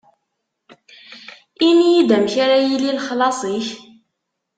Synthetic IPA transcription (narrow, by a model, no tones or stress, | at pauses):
inijid̪æmçaɾajililχlɑsˤiç